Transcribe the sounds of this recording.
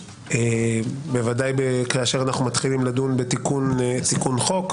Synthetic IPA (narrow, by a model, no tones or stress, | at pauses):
ebevadajbekaːʃeʁanaχnumat̪χilimladunbet̪ikuntikunχo̞k